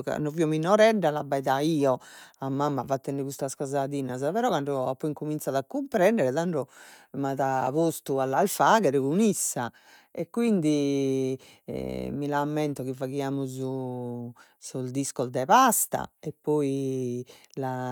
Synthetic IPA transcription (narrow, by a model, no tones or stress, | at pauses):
ka̰nɖɔviɔminɔɾɛɖalabːaɛðaiːɔamːamːavat̪ːɛnːɛkust̪askɔzaðiːnazapɛɾɔkaɳɖɔapːɔiŋkumint̪saðakːumpɾɛnd̪ɛɾɛðaɳɖɾɔmaðaβost̪ualːalfaːɣɛɾɛkunisːa | ɛkːwind̪i | milamːɛnt̪ɔɣivaɣiaːmuzu | sɔzd̪iskɔzd̪ɛβast̪a̰ɛpːɔi | la